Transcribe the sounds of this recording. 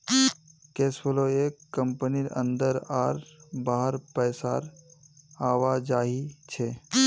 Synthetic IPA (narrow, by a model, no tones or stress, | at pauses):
keːsbəloeːkːəmpəniɾʔə̰̃nd̪əɾaːɾbaːɦəɾpɛːsaɾ | aːʋad͡ʒaːɦit͡ʃʰe